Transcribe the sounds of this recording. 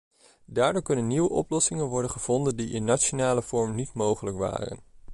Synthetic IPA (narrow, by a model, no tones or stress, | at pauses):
daːɹdoːɹkɵnənːiʋəʔɔ̰plɔsɪŋənʋɔɹdənχəv̥ɔndəndiʔɪnːat͡ʃonaːləv̥ɔɹmnitmowχələkʋa̰ːrə̰n